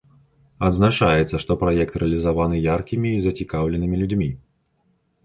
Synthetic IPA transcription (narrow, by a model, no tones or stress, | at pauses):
ɐd̪znat͡ʂajɛt̪sːɐʂt̪ɔpɾajɛk̚t̪ɾɛɐlʲizavanɨjarkʲimʲiːzɐt͡sʲikawlʲɛnɨmʲilʲud͡zʲmʲi